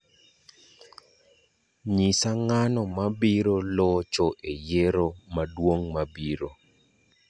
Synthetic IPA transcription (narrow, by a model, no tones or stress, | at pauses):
ɲisaŋanɔmabiɾolɔt͡ʃɔʔejeɾomadwoŋmabiɾo